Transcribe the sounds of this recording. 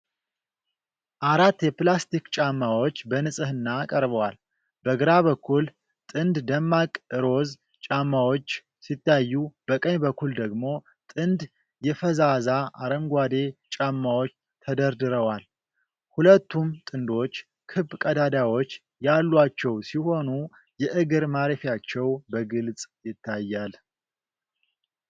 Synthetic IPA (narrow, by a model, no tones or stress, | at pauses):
ʔaɾat̪ːjɛplast̪ikt͡ʃʼamːawo̞t͡ʃːbənɨsʼɨhɨnːaːkʼəɾbəwal | bəɡɨɾaβəkʰːul | t̪ʼɨnd̪d̪əmːakʼɨɾo̞z | t͡ʃʼamːawo̞t͡ʃː | sit̪ːajjːub̥əkʼəɲbəkʰːuld̪əɡmo̞ | t̪ʼɨnd̪ | jɛfəzazaʔaɾəmɡʷad̪e̞t͡ʃʼamːawo̞t͡ʃː | t̪ʰəd̪əɾd̪ɨɾəwal | hulət̪ːumt̪ʼɨnd̪o̞t͡ʃː | kʰɨbkʼəd̪ad̪awo̞t͡ʃː | jalːwat͡ʃːɛwsiho̞nu | jɛʔɨɡɨɾmaɾefjat͡ʃːɛwbəɡɨlt͡sʼjɪt̪ʰːajːal